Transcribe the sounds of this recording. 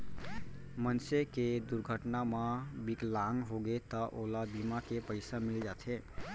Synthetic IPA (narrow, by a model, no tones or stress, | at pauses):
mənseked̪uɾɡʱəʈnamabiklaŋɡɦoɡet̪ɔʔolab̪imakepəɪsamild͡ʒat̪ʰe